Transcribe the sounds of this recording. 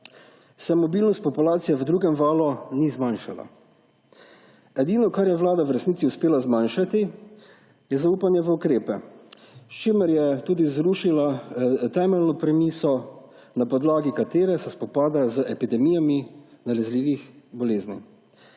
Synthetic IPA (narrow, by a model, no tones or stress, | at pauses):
sɛmɔbiːlnɔst̪pɔpulaːt̪sijɛʋəd̪ɾuːɡɛmʋaːlɔnizmanʃala̰ | ɛd̪iːnɔkaɾjɛʋlaːd̪awɾɛsnit̪iuspeːlazmanʃat̪i | jɛzauːpanjɛʋəukɾeːpɛ | ʃt͡ʃiməɾjɛt̪uːd̪izɾuʃilat̪ɛːmɛlnɔpɾɛmiːsɔ | napɔd̪laːɡikat̪eːɾɛsɛspɔpaːd̪azəʔɛpid̪ɛmiːjaminalɛzliːʋixbɔleːznḭ